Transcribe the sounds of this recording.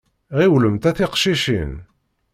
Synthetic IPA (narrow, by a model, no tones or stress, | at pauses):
ʁiwləmt̪æθiqʃiʃḭn